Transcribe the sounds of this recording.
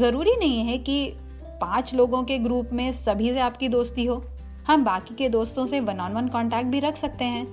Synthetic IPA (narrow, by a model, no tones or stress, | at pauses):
zɐɾuːɾinɐɦĩɦɛki | pãːt͡ʃloːɡõkeɡɾuːpmẽsɐbʱiseaːpkid̪oːst̪iɦoː | hɐmbaːkiked̪oːst̪õseʋɐnaːnʋənkɔ̃ːɳʈɛːk̚ʈ̚bʱiɾɐkʰsɐk̚t̪eɦɛ̃ː